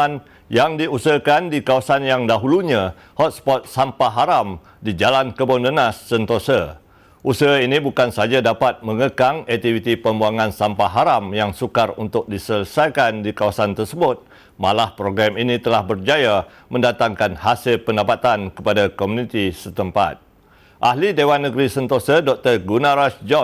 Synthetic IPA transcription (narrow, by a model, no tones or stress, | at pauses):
n | jaŋdiusəəkandikawasanjaŋdaɦuluɲã | hɔt̪̚spɔt̪̚sampaɦaɾam | did͡ʒalankəbondənasːənt̪osə | ʔusəɦinibukansad͡ʒadapat̪̚məŋəkaŋɛk̚t̪ifit̪ipəmbuaŋãnsampaɦaɾamjaŋsukarunt̪ʊk̚disələsajkandikawasant̪ərsəbʊt̪̚ | malahpɾoɡɾaminit̪əlahbərd͡ʒaja | mə̃ndat̪aŋkanhasɪlpəndapat̪ankəpadakomũnit̪isət̪əmpa̰t̪̚ | ʔaɦlidewanːəɡɾisənt̪osədɔk̚t̪ərɡunãɾasd͡ʒɔ